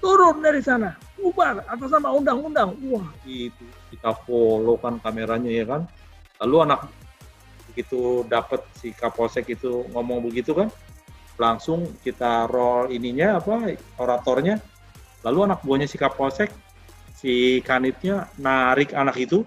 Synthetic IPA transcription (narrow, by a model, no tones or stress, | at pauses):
t̪uɾʊnɲadisana | ubarat̪̬asamaundaŋundaŋuahit̪ukit̪afolokankameɾaɲajakan | laluanak̚ | bəɡit̪udapət̪̚sikaposɛkit̪uŋɔmɔŋbəɡit̪ukan | laŋsʊŋkit̪arɔliniɲaːpaoɾat̪ɔrɲa | laluanak̚buaɲasikaposɛk̚ | sikanɪt̪̚ɲanaɾɪkanakit̪u